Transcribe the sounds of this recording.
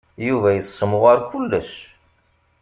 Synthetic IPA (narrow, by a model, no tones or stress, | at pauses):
juvæjəsˤːəmʊʁaɾkulːəʃ